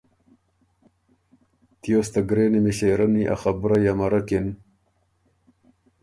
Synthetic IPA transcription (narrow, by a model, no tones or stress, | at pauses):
t̪joːst̪aɡɾeːnimiɕeɾaniʔa̰xabɾajamaɾakin